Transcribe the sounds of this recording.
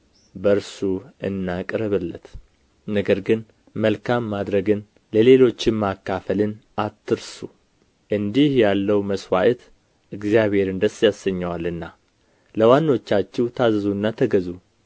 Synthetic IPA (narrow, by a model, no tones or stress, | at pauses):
bəɾsuɨnːakʼɾəβɨlːət̪ | nəɡəɾɡɨn | məlkʰamːad̪ɾəɡɨn | ləle̞lo̞t͡ʃːɪmmakːafəlɨnat̪ʰːɨɾsu | ʔɨnd̪ihjalːəwməswaʔt̪ | ʔɨɡzijaβhe̞ɾɨnd̪əsjasəɲːawalɨnːa | ləwanːo̞t͡ʃːat͡ʃːɛwt̪ʰazzuɨnːat̪ʰəɡəzu